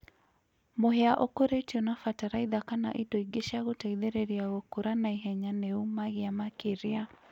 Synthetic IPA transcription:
moɦeaʔokoɾetiɔnafataɾaiðakana̰ʔidoiɡeʃaɣotaiðeɾeɾiaɣokoɾanaiɦɛɲaneumaɣeamakeɾea

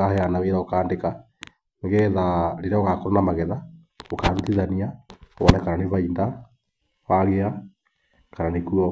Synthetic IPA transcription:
ahɛanaβeːɾaokaːndeka | neɣɛːðaɾeɾaoɣakɔɾanamaɣɛða | okaːɾutiðaniaoβɔnakaɾaneβainda | waɣea | kaɾanekuɔ

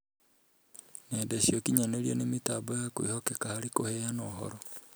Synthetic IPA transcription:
nɛdaɕiɔkiɲaneɾiɔnemitaːbɔjakwḛhɔkɛkahaɾikohɛanɔːhɔ̰ɾɔ

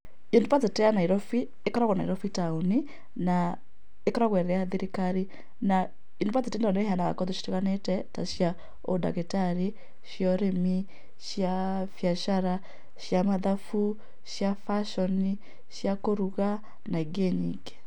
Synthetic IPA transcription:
indopat͡seteanaiɾɔfi | ekɔɾaɣɔna̰ḭɾɔfitauni | na | ekɔɾaɣwɛɾɾɛaðiɾikaɾi | na | indopat͡setenɔneɦanaɣa̰kɔðeʃi̥tekanetɛta̰ʃja | oda̰ɣetaɾi | ʃjɔɾemi | ʃja | fjaʃaɾa | ʃjamaðafu | ʃjafaʃɔni | ʃjakoɾuɣa | naiɡeɲḭɡe̥

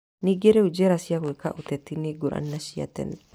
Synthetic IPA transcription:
nɪɡɛɾɛʊd͡ʒeɾɐsɪjɐkwɔkːɐ̰ʔʊt̪ɛt̪ːɪnɪɡʊɾɐ̰nːɐʃɪjɐ̰t̪ːɛ̰n

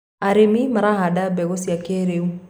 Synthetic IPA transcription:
aɾemimaɾahadabɛɡosiakeɾeu

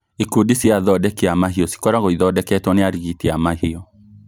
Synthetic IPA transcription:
ekudisiaðɔdɛkeamaɦiɔsi̥kɔɾaɣoiðɔdɛkɛtwɔneaɾiɣiteamahiɔ

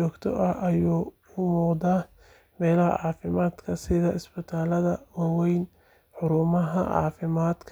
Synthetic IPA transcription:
t͡ʃɔːɡt̪ʰɔ̰ʔɐhʔɐjuː | ʊmuːqd̪aː | mɛːlɐhɐ̰ʕɑːfɪmaːd̪kʰɐsɪðɐɪsbɪt̪ʰaːlɐðɐwɑwɛjn | ħʊɾʊmɐɦɐ̰ʕɑ̰ːfɪmaːd̪kʰ

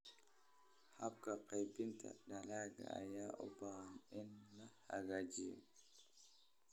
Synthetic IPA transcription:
hab̚kapʰajbinta̰dalaɡa̰a̰jaʔɔ̰baanɛnːaha̰ɡad͡ʒiɛ̰

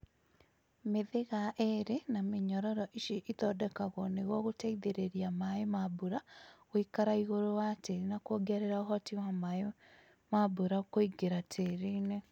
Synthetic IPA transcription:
meðeɣaʔeɾenameɲɔɾɔɾɔʔiʃiʔitɔdɛkaɣɔneɣwɔɣotaiðeɾeɾiamaemabuɾaɣwikaɾaiɣoɾowateɾinakwoɡaɾeɾaoɦɔtiwamae | mabuɾakoiɡeɾatʰeɾine

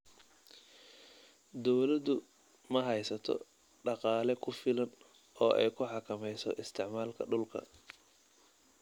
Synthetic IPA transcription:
d̪ɔwlɐd̪ʊ | mɐɦɛjsɐt̪ʰɔ̰ | ɖɑqɑːlɛkʰʊfɪlɐn | ʔɔːʔɛ̰jkʰʊħɑkʰɐmɛjsɔ̰ʔɪst̪ʰɪʕmaːlkʰɐ̰ɖʊlkʰɐ̰

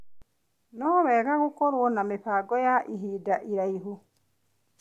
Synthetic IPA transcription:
nɔβɛɣaɣukɔɾwonamipaɡɔjaʔiɦidaʔiɾaiɦu

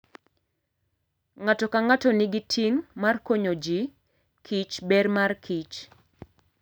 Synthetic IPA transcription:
ŋatɔkaŋatɔnɪɡitʰiŋmarkoɲod͡ʒi | kʰit͡ʃbɛrmarkʰit͡ʃ

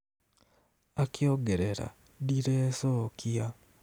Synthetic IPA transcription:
akjoɡeɾeɾa̰ | diɾeːsoːkʰia

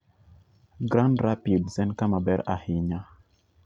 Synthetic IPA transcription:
ɡɾãndɾapidsɛnkamabɛɾahiɲa

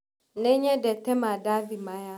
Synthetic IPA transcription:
nẽɲɛdɛt̪ɛmãdavimãja

